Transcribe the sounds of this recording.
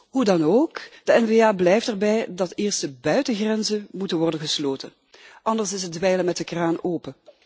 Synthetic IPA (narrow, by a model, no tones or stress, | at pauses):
ɦudɑnoːkd̥əɛnveːaːblɛjftɛrbɛjdɑtɪːrstəbœɥtəɣrɛnzənmutənʋɔrdənɣəsloːtən | ʔɑndəɹsɪsɦədʋɛjləmɛt̚əkraːnoːpə